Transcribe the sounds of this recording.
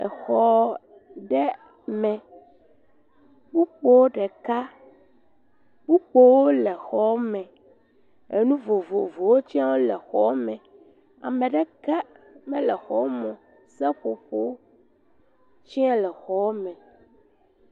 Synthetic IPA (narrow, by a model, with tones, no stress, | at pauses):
ɛ̰˨xɔ˨ | ɖɛ˦ | mɛ̃˨ | bu˦k͡po˦˨wo˦ɖɛ˨ka˦ | bu˦k͡po˦wo˦lɛ˨xɔ˨˦mɛ̃˨ | e˨nũ˦vo˨vo˨vo˨wo˦t͡ɕi˦ã˦wo˦lɛ˨xɔ˨wo˦mɛ̃˨ | a̰˨mɛ̃˨ɖɛ˦kɛ˦mɛ̃˦lɛ˨xɔ˦wo˦mɔ̃˨ | sɛ˦ɸo˨ɸo˦wo˦ | t͡ɕi˦a˦lɛ˨xɔ˨wo˦mɛ̃˨